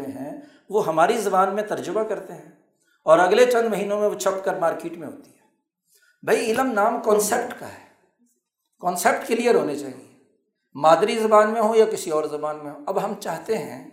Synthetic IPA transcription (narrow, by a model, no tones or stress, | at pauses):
ẽɦɛ̃ | ʋoɦɐmaːɾizɐbaːnmẽt̪ɐɾd͡ʒʊbakɐɾt̪eɦɛ̃ː | ɔːɾɐɡlet͡ʃɐ̃nd̪mɐɦiːnõmẽʋot͡ʃʰɐpkəɾmaːɾkeːʈmẽɦo̰ːt̪i̥ɦɛː | bʱɐiɪləmnaːmkɔːnsep̚ʈka̰ɦɛː | kɔːnseːp̚ʈkelijəɾɦoːnet͡ʃaːɦḛ̃ŋɡe | maːd̪ɾizɐbaːnmẽɦojakɪsiɔːɾzɐbaːnmẽɦoɐbɦɐmt͡ʃaːɦt̪eɦɛ̰̃ː